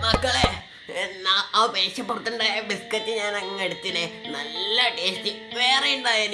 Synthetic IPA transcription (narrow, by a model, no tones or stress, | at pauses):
mɐkːɐɭe | naːaːpeːɕɐpːurɨt̪ːuɳɖaːjɐbiskɐtːiɲaːnɐŋːeɽut̪ːinɨnɐlːɐʈeːstːiʋeːrejuɳɖaːjan